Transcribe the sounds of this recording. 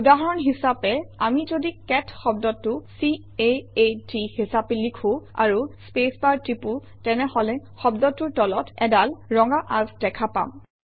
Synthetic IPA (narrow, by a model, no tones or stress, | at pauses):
udaɦɔɹɔnɦisapɛamizodikɛtʰxɔb̚dɔtːʊsi | eetihisapɛlikʰʊ̃a̰ɹuspespaɹtɹipu | tɛnɛhɔlɛxɔbdɔtːʊɹtɔlɔtʰɛdalɹɔŋɡaʔazdɛkʰapa̰m